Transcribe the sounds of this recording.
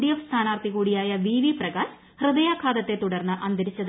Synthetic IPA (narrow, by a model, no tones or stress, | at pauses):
ɽijɐfst̪ʰaːnaːrt̪ikuːɽijaːjɐʋiːʋiprɐɡaːɕ | hrɨd̪ɐjaːkʰːaːd̪ɐt̪ːet̪uɽɐrnːɐʔɐnd̪ɐɾit͡ɕːɐð